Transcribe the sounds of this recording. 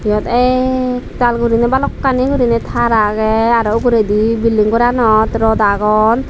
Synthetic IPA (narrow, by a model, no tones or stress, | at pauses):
ijɔt̪ɛ | talɡuɾinɛbalɔkːaniɡuɾinɛt̪ʰaɾaɡɛaɾɔkuɾedibilːiŋkɔɾanɔt̪ɾɔdaɡɔn